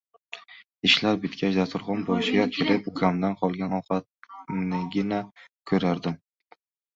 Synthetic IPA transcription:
ɪʃlaɾbɪt̪kʲʰat͡ʃd̪at̪ʰʊɾʁɒnbɒɪʃɪɡʲakʲʰɪɾɪp̚kʰʲamd̪anqʰɒlˠɡʲanɒwqɑt̪̚nɪɡʲɪnakʰɵɾaɾd̪ɪm

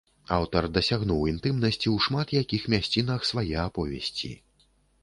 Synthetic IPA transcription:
awt̪ɐrd̪ɐsʲaɣnuwint̪ɨmnɐsʲt͡sʲiwʂmat̪jakʲixmʲasʲt͡sʲin̪ɐxsvajɛapɔvʲɛ̰sʲt͡sʲḭ

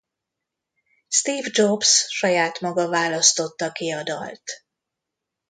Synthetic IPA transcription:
st̪iːvd͡ʒobsʃɒjaːt̪mɒɡɒvaːlɒst̪o̞t̪ːɒkiɒd̪ɒ̰lt̪

